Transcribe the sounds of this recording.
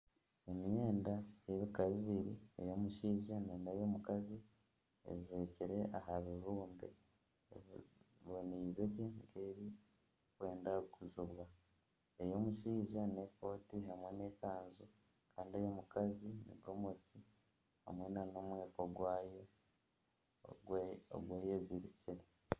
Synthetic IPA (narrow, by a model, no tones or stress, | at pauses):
emijeːndajeβikaβiβiɾiḛjo̞muʃiːʒeneːnejo̞mukazi | ḛzweciɾe̞ʔaɦaβiɾuːmbe̞̰ | βoneizeɟeŋɡeːɾi | kwe̞ːndakuziβwa | ejo̞muʃiːʒanepoːtiɦamwe̞ne̞kaːnzu | kʰaːndiejo̞mukazinḭbɡomusi | ha̰mwe̞nano̞mwe̞ːko̞ɡwaːje | o̰ɡweːjeziɾiciɾe